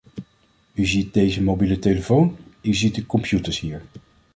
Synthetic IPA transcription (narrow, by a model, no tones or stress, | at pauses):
yzit̚dejzəmowbiləteləfownyzit̚dəkɔmpjutəɹsɦiːɹ